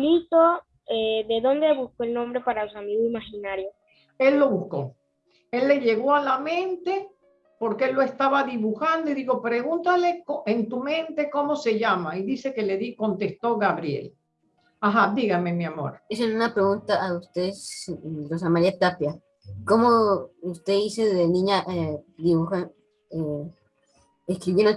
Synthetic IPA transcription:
lit̪o | eðeðo̞nd̪eβuskoelnõmbɾepaɾasuamiɣoimaxinaɾjo | e̞lːo̞βusko̞̰ | e̞lːe̞ʝe̞ɣo̞alamẽ̞nt̪e̞ | po̞ɾkeelːo̞e̞st̪aβaðiβuxand̪o̞iðixo̞pɾe̞ɣunt̪alekoent̪umẽ̞nt̪e̞ko̞mo̞se̞ʝamaiðise̞keleðiko̞nt̪e̞st̪o̞ɣaβɾjḛl | aɦad̪iɣame̞miamo̞̰ɾd̪iselunapɾeɣunt̪aʔːust̪eðslos̬amaɾiat̪apja | komoust̪eiseðenĩɲaʔed̪iβuxa | e | eskɾiβjend̪o

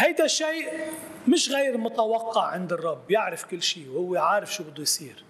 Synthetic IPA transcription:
hajd̪aʃiːʔmɪʃɣɛjɾmʊt̪awɑqːɑʕʕɪnd̪ɨrˤːɑbːjɪʕɾɪfkɪlːʃiːwhʊwːeʕaːɾɪfʃuːbɪd̪ːuʊjsˤiːɾ

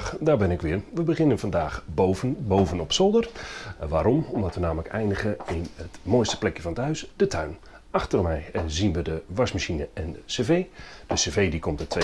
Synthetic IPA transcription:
daːbɪnɪkʋɪːrʋəbəχɪnənvɑndaːxboəbowvənɔpsolˠdərʋaːɾɔmɔmdɑtʋənaːmələkɛ̰jndəɣəɪnətmojstə̥plɛkjəfɑnəthœɥsd̥ətʰœɥn | ɑxtərmɛjɛnzinʋədəʋɑsmaʃinəʔɛnəseveːd̥əsevejdikomtətʰʋe

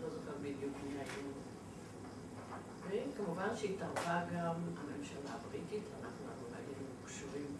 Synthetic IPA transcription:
zozoɡambid̪jukmilaʔin | vekamuvanʃeitaʁvaɡamamemʃalaːbʁititʰanaχnuaχnuna̰ɡidikʃuʁim

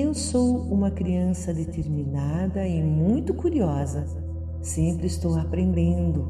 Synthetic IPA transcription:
ewsowũmɐkɾiɐ̃sɐd̪et̪eɾminad̪ɐɪmũj̃t̪ʊkuɾiɔzɐ | sẽmpɾɪːst̪owapɾẽnd̪ẽnd̪ʊ

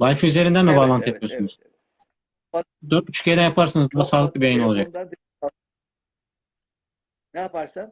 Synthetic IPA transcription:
valʲfiyze̞ɾind̪ænmɛbaːlˠant̪jet̪̚mijosynyz | d̪øɾt̪̚yt͡ʃʰy̥cʰejd̪ænjapʰaɾsɯnɯzd̪ɯmasaːlˠɯk̪̚ˠɯbiajinolˠad͡ʒak̪̚

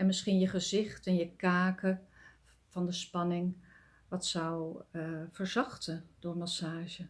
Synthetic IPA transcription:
ɛnmɪsχinjəχəzɪχtɛnjəkaːkə | v̥ɑndəspɑnɪŋ | ʋɑtsɔw | v̥əɹzɑχtəd̥ʊɹmɑsaːʒə

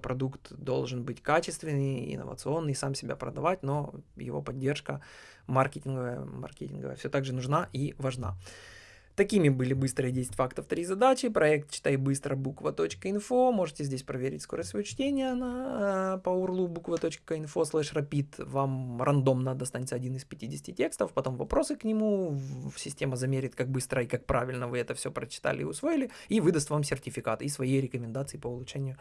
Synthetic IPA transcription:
pɾɐd̪ukt̪d̪o̞̰lˠʐɨnbɨtʲkat͡ɕɪst̪vʲɪnːɨjɪ̰nə̰və̰t̪sɨo̞nːɨsamsʲɪbʲa̰pɾəd̪ɐvatʲno̞jɪ̰vo̞̰pɐdʲːerʂkə | mɐrkʲetʲɪnɡəvəjə̰mɐ̰rkʲetʲɪnɡə̰və̰jə̰fsʲo̞t̪aɡʐɨnʊʐnaʔivɐʐna̰ | t̪ɐkʲimʲɪbɨlʲɪbɨst̪ɾəjədʲesʲɪtʲfakt̪əft̪ɾʲizɐd̪at͡ɕɪpɾɐɛk̚t̪t͡ɕɪ̥t̪ajbɨst̪ɾəbukvət̪o̞t͡ɕkəɪnfomo̞ʐɨtʲɪzʲdʲesʲpɾɐvʲeɾʲɪ̰tʲsko̞ɾəsʲvɐjot͡ɕtʲenʲɪjənɐpəʊrlˠubukvət̪o̞t͡ɕkəɪnfo̞slˠɛʂrɐpʲit̪vamrʔɐnd̪o̞mnad̪d̪ɐst̪anʲɪt̪sɐdʲinɨspʲɪtʲidʲɪsʲtʲɪtʲe̞kst̪əfpɐt̪o̞mvɐpɾo̞sɨknʲɪmusʲɪsʲtʲe̞məzɐmʲeɾʲɪt̪kak̚bɨst̪ɾəikak̚pɾʔavʲɪlʲnəvɨɛt̪əfsʲopɾət͡ɕɪ̥t̪a̰lʲɪ̰ɪ̰ʊsvo̞jɪlʲɪivɨd̪ɐst̪vamsʲɪrtʲɪfʲɪkat̪ɨisvɐjejɾʲɪkəmʲɪnd̪at̪sɨɪpəʊlˠʊt͡ʂɛnʲɪjʊ

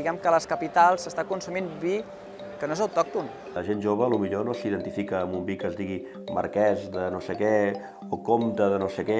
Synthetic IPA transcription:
iɣɛmkələskəpit̪alˠsəst̪akunsuminbi | kənoezəwt̪ɔk̚t̪un | ləʒenʒoβ̞əːlumiʎonosiðənt̪ifikəːmumbikəzd̪iɣi | mə̰ɾkɛzd̪ənosekɛ | okomt̪əðənosekɛ

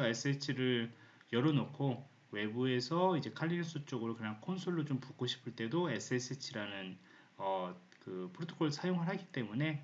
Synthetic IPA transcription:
ʌe̞s͈ʰɯet͡ɕʰiɾɯɭ | jʌɾʌnokʰo | we̞bue̞sʰʌid͡ʑe̞kʰaʎːins͈ʰut͡ɕ͈oɡɯɾokɯɾjankʰonsʰoɭːot͡ɕompuk͈oɕʰi̥pʰɯɭt͈e̞doe̞s͈ʰɯes͈ʰɯt͡ɕʰiɾanɯn | ʌ | kɯpʰoɾotʰo̥ɡʰoɭsʰajoŋɦɯɭɦaɡit͈e̞mune̞

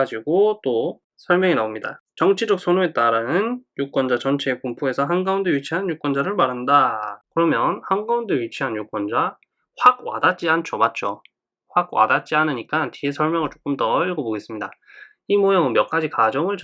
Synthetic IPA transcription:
d͡ʑiɡot͈o | sʰʌɭmʲjʌŋinaomɲida̰ | t͡ɕʌŋt͡ɕʰid͡ʑʌk̚sʰonue̞t̚t͈aɾanɯnjuk͈wʌnd͡ʑat͡ɕʌnt͡ɕʰeːpumpʰue̞sʰʌɦanɡaundeɥit͡ɕʰiɦanɯnjuk͈wʌnd͡ʑaɾɯɭmaɾɦandakɯɾʌmjʌnhanɡaundeɥit͡ɕʰiɦanɯɲjuk͈wʌnd͡ʑa | ɸwaɡ̚wa̰dat̚t͡ɕ͈iant͡ɕʰomat̚t͡ɕ͈o | ɸwaɡ̚wa̰dat̚t͡ɕ͈ianɯɲik͈antʰiesʰʌɭmjʌŋɯɭt͡ɕ͈o̥k͈ɯmtʌʎɡoboɡe̞s͈ɯmɲida | imojʌŋɯnmjʌk͈̚ad͡ʑikad͡ʑʌŋɯɭ

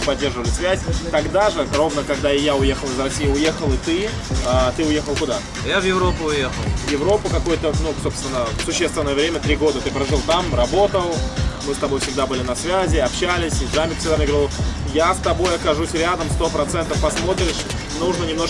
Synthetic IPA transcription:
pɐdʲːe̞rʐɨvəlʲɪsvʲæsʲt̪ɐɡd̪aʐɨro̞vnəkɐɡd̪aɪjaʊje̞xəlˠɨzrɐsʲijəʊje̞xəlˠɨt̪ɨ | ət̪ɨʊje̞xəlˠkʊd̪a | javjɪvɾopʊʊjexəlˠvjɪvɾo̞pʊkɐko̞jət̪ənuso̞pst̪vʲɪnːəsʊɕːe̞st̪vʲɪnːəjəvɾʲemʲət̪ɾʲiɡo̞d̪ət̪ɨpɾɐʐɨlˠt̪amrɐbo̞t̪əlˠmɨst̪ɐbo̞jfsʲɪɡ̚d̪abɨlʲɪnɐsvʲæzʲɪɐpɕːælʲɪsʲɪʐamʲɪksʲɪɡd̪amnʲɪɡɾʲilˠjast̪ɐbo̞jɐkɐʐusʲɾʲad̪əmst̪o̞pɾɐt̪sɛnt̪əfpɐsmo̞t̪ɾʲɪʂ | nuʐnənʲɪmno̞ʂ

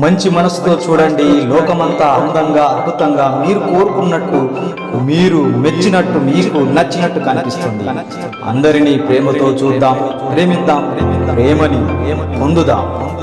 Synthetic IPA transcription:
mɐɲt͡ʃimɐnɐsu̥t̪o̞ːt͡ʃuːɽɐɳɖilɔːkɐmɐnt̪aːɐnd̪ɐŋɡaːɐd̪̚bʱut̪ɐŋɡaːmiːɾuko̞ːɾukunːɐʈːu | miːɾumet͡ʃːinɐʈːumiːkunɐt͡ʃːinɐʈːukɐnipist̪und̪ḭ | ɐ̰nd̪ɐɾiniːpɾeːmɐt̪o̞ːt͡ʃuːd̪ːaːmpɾeːmid̪ːaːmpɾeːmɐnipond̪ud̪a̰ːm

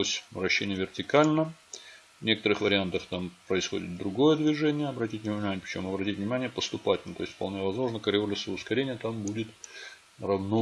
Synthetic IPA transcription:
osʲvɾɐɕːenʲɪjəvʲɪrtʲɪkalʲnə | vnʲe̞kə̥t̪əɾɨxvəɾʲɪant̪əft̪ampɾəɪsxodʲɪ̰t̪̚d̪ɾʊɡo̞jəd̪vʲɪʐɛnʲɪjəɐbɾɐtʲitʲnʲɪvʲnʲɪmanʲɪəpɾɪ̥t͡ɕomɐbɾɐtʲitʲvnʲɪmanʲɪjəpəst̪ʊpatʲnt̪o̞ɪsʲtʲfpɐlˠnʲevɐzmo̞ʐnəkəɾʲɪolʲɪsəəʊskɐɾʲenʲɪjət̪ambudʲɪt̪ | rɐvno

